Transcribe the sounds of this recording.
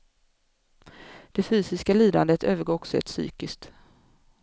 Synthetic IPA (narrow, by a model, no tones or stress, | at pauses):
d̪̥ɛfyːsɪskaliːd̪and̪ət̪ʰøːvəɾɡoɔksɛ̰t̪sy̰ːkɪsk̚t̪